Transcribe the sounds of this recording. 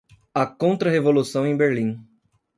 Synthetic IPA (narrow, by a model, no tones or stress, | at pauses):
ɐkõnt̪ɾɐɦevolusɐ̃w̃ẽj̃beɾlĩ